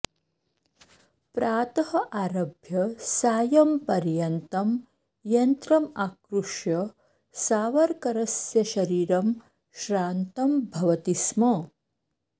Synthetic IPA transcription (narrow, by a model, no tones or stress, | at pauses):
pɾaːt̪ɐhɐʔaːɾɐbʱjɐsaːjɐmpɐɾjɐnt̪ɐm | jɐnt̪ɾɐmaːkɾuʂjɐ | saːʋɐɾkɐɾɐsjɐʃɐɾiːɾɐm | ʃɾaːnt̪ɐmbʱɐʋɐt̪ismɐ